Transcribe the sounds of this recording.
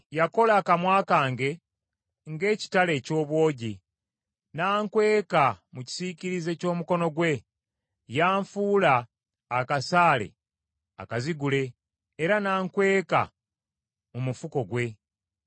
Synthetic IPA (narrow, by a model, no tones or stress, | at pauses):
jako̞laːkamwaːkaːŋɡe̞ | ŋɡe̞ːci̥tale̞ːco̞ːβwo̞ːɟi | naːŋkwe̞ːkamuci̥siciɾize̞co̞ːmuko̞no̞ɡwe̞ | jaːɱfuːlaː | kasaːle̞̰ | a̰kaziɡule̞ː | ɾanaːŋkwe̞ːka̰ | mumufuko̞ɡwe̞